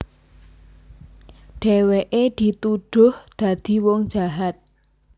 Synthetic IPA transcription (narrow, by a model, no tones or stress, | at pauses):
ɖ̥eweʔed̪̥i̤t̪uɖ̥ʊhd̪̥ä̤d̪̥i̤wɔŋd͡ʒ̥a̤ɦat̪̚